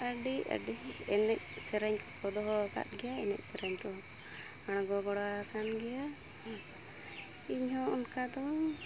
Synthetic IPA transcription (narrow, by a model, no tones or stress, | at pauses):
aɖica̰ɖi | ɛnɛc̚ | sɛɾaɲk̪ɔkɔd̪ɔɦɔaka̰t̪̚ɡɛjaɛnɛc̚sɛɾaɲt̪ɔ | aɽ̃ɔɡɔɡɔɽa | kanɡɛja | iɲhɔ̃unkad̪ɔ